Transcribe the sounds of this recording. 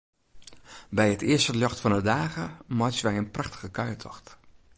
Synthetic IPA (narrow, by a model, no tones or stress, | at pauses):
bɛjətɪəstəljɔxtfɔnədaːɣəmɔsʋɛjənpraxtə̥ɣəkœɥtʰɔxt